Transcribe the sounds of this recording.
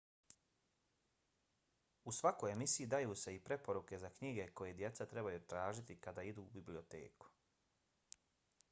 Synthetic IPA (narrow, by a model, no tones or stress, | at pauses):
usʋako̞je̞misiid̪ajuːse̞ipɾe̞po̞ɾuke̞zakɲiɡe̞ko̞jed̪je̞t̪sat̪ɾe̞bajuːt̪ɾaːʒit̪ikad̪aːid̪uːbiblio̞t̪ḛːku̥